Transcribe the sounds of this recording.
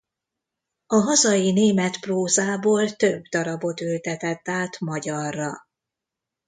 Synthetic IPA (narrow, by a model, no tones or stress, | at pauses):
ɒɦɒzɒjineːmɛt̪proːzaːboːlt̪øbd̪ɒɾɒbo̞t̪ylt̪ɛt̪ɛt̪ːaːt̪mɒɟɒrːɒ